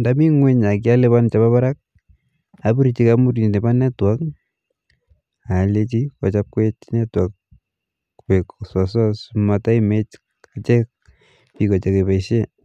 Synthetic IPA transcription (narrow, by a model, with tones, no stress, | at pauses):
ndami˦ŋwe˦ɲa˨kja˦le˦βa˦nt͡ʃa˨ba˦βaɾak̚ | a˨bi˦ɾit͡ʃikamu˦ɾni˨ne˨ba˦nɛ˦twak | a˨le˦t͡ʃi˦kɔ˨t͡ʃap̚kwe˦t͡ʃnɛ˦twak̚ | peksɔsɔsmata˦imet͡ʃ | a˨t͡ʃɛk̚ | pikɔ˨t͡ʃe˨kepa˨iʃe˦